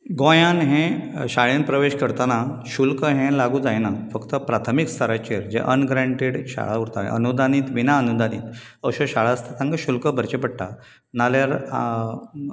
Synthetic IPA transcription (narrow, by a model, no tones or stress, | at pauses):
ɡõjãnɦẽɕaɭinpɾəʋeɕkəɾt̪anaɕulkəɦɛ̃laɡud͡zajnafəkt̪əpɾat̪ʰəmikst̪ʰəɾat͡ɕeɾd͡ʑḛʔənɡɾaɳʈeɽɕa̰ɭauɽt̪a̰ḛ̃ʔə̰nud̪aniːt̪ʋinaənud̪aniːt̪ | əɕoɕaɭaəst̪ʰat̪ãŋɡaɕulkəbʱəɾt͡ɕepəɽʈa̰ | naljaɾ